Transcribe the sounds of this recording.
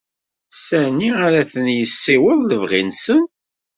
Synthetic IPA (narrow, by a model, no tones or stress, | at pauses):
sæniaɾæθənjəsːiwəðˤləvʁinsən